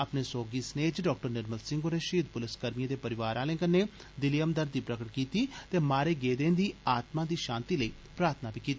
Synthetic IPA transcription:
əpneːsoːɡiːsneːd͡ʒɖɔːk̚ʈəɾnɪɾməlsɪ̃ŋɡoːneːʃiːd̪̚pʊlɪskəɾmijẽːd̪eːpəɾɪʋaːɾãːlɪ̃ːŋɡənːeː | d̪ɪlijəmd̪əɾd̪iːpɾəkəʈkiːt̪iːt̪eːmaːɾeːɡeːd̪ẽːnd̪iːaːt̪mãːd̪iːʃãːnt̪iːləiː | pɾaːɾt̪ʰnaːbiːkiːt̪ːi

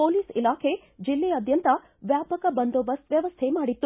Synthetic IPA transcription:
poːliːsilaːkʰe | d͡ʒilːeɐd̪ʱjɐnt̪ɐ | ʋjaːpɐkɐbɐnd̪oːbɐsʋjɐʋɐst̪ʰemaːɽit̪ːu

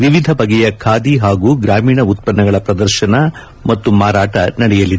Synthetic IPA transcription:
ʋiʋid̪ʱɐpɐɡɛjɐkʰaːd̪iɦaːɡuːɡɾaːmiːɳɐut̪̚pɐnːɐɡɐɭɐpɾɐd̪ɐɾʃɐnɐ | mɐt̪ːumaːɾaːʈɐnɐɽɛjɐlːid̪

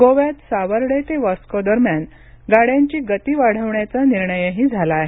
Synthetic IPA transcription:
ɡoʋjat̪saʋəɾɽet̪eʋaskɔd̪əɾmjan | ɡaɽjaɲt͡ɕiːɡət̪iːʋaɽ̤əʋɳjat͡saniɾɳəjəɦiːd͡zʱalaːɦe

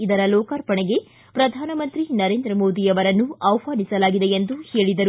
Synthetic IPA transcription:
id̪ɐɾɐlɔːkaːɾpɐɳeɡe̞ | pɾɐd̪ʱaːnɐmɐnt̪ɾinɐɾe̞ːnd̪ɾɐmo̞ːd̪ijɐʋɐɾɐnːuɐʋpaːnisɐlaːɡid̪e̞end̪uhe̞ːɭid̪ɐɾu

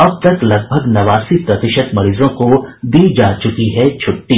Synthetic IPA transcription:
ɐb̚t̪ɐklɐɡ̚bʱəɡnɐʋaːsipɾɐt̪ɪʃəd̪mɐɾiːzõkod̪iːd͡ʒaːt͡ʃʊkiɦɛt͡ʃʰʊʈːiː

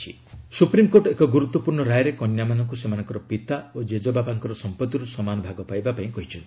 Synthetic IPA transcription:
ḭ | supɾimkoʈekɔɡuɾut̪ːɔpuɾɳɔɾajɾekɔnjamanɔŋkusemanɔŋkɔɾɔpit̪aod͡ʒed͡ʒɔbabaŋkɔɾɔsɔmpɔt̪ːiɾusɔmanɔbʱaɡɔpajbapaĩkɔɦit͡ʃʰɔnt̪ii

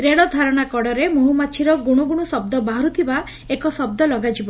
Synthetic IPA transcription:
ɾeɭɔd̪ʱaɾɔɽ̃akɔɽɔɾemoɦumat͡ʃʰiɾɔɡuɽ̃uɡuɽ̃usɔb̚d̪ɔbaɦɔɾut̪ʰiba | ekɔsɔb̚d̪ɔlɔɡad͡ʒiba

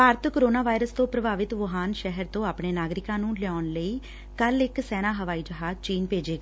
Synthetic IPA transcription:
paːɾt̪koːɾoːnaːʋaːɪɾəst̪õːpɾəbaːʋɪt̪ʋəɦaːnʃɛɦəɾt̪õːaːpɳeːnaːɡɾɪkãːnũːlɪɔːnləiː | kəlɪksɛːnaːɦəʋaːiːd͡ʒəɦaːzt͡ʃiːnpeːd͡ʒeːɡa

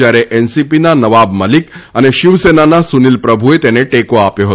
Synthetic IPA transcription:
jaɾeʔɛnsipinanəʋabməlikəneʃiʋsenanasunilpɾəbʱuet̪eneʈekoapjoɦ

